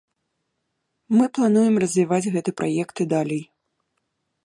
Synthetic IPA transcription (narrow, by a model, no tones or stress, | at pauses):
mɨplˠanujɛmrɐzʲvʲivad͡zʲɣɛt̪ɨpɾʔajɛkt̪ɨd̪alʲɛj